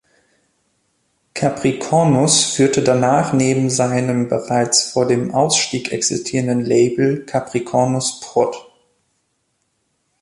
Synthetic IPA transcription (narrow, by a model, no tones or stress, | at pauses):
kʰapʁ̥ikʰɔnʊsfyːɐtʰədanaːχneːbm̩zaɪnəmbəʁaɪt͡sfoːɐdeːmʔaʊsʃtiːkʔɛ̰ksɪstʰiːʁəndənleɪbl̩kʰapʁ̥ikʰɔnʊspʁ̥ɔt